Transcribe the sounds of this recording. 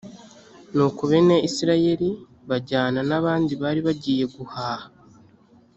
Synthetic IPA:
nuːkuβe̞neisiɾaje̞ɾi | βaɟaːnanaβaːndiβaːɾiβaɟiːje̞ɡuhaːha

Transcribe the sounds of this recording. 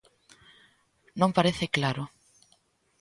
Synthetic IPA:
nõmpaɾeθɪklaɾʊ

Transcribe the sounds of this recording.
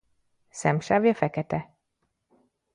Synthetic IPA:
sɛmʃaːvjɒfɛkɛt̪ɛ

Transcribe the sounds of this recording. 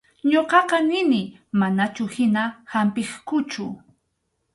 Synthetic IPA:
ɲoqɑqɑnɪnɪ | manat͡ʃʊhɪnahampɪχkʊt͡ʃʊ

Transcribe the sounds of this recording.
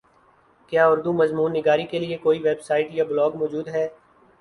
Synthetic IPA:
kjaːʊɾd̪umɐzmuːnːɪɡaːɾikeliekoːiʋeːbsaːɪʈjablɔːɡmɔːd͡ʒuːd̪ɦɛː

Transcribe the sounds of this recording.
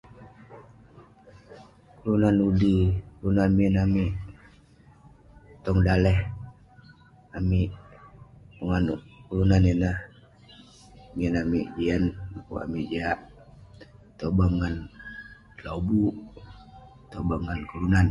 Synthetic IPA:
kulunanudikulunanmiənamiʔ | t̪ɔŋdalɛh | amiʔ | uŋankulunaninah | miənamiʔd͡ʒianlakṵa̰miʔd͡ʒaʔ | t̪obaŋːan | lobuʔ | t̪obaŋːankulunan

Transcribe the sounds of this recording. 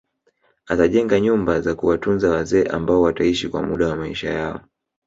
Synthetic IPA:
ataʄɛŋɡaɲumbazakuwatunzawazɛːʔambaɔwataiʃikwa̰muɗawamaḭʃa̰jaɔ̰

